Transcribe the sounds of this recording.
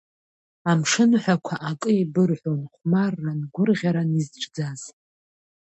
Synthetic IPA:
amʂɨnħʷakʷʰaʔakʼɨibɨrħʷonχʷmarːanɡʷʊrʁʲaɾanizʈ͡ʂʼd͡zaz̥

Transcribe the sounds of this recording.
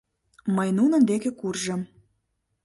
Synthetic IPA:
məjnunənd̪ekĕkurʒəm

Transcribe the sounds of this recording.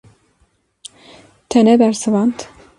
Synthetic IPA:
t̪ʰɛnɛbɛɾsɨvɑnt̪

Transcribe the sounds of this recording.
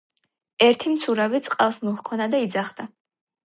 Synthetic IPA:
ɛɾt̪ʰimt̪sʰuɾavit̪sʼqʼalˠsmɔhkʰɔnad̪aid̪zaχd̪̥a

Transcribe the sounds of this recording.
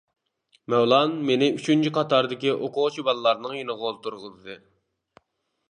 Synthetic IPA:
mɛwlˠɑnmenɪyt͡ʃʰynt͡ʃʰiqʰɑt̪ɑɾd̪ɪkʲiʔoqʰʊʁt͡ʃʰibɑlˠɨlˠɑɾnɨŋjenəʁolˠt̪ʰuɾʁəlɨd̪ɨ

